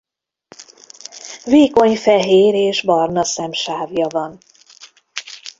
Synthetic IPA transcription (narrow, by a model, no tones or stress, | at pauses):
veːko̞ɲfɛɦeːɾeːʒbɒrnɒsɛmʃaːvjɒvɒn